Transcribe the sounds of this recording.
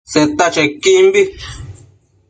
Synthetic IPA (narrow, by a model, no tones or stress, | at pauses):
set̪at͡ʃekimbi